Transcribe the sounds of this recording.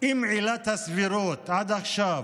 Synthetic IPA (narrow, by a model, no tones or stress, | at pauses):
imʕilat̪asviɾoːt̪ad̪axʃaːv